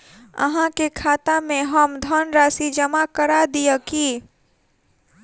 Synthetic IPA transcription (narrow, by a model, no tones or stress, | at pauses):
ə̰ɦãkekʰaːt̪amẽɦəmd̪ʱənɾaːsid͡ʒəmakəɾad̪ijəki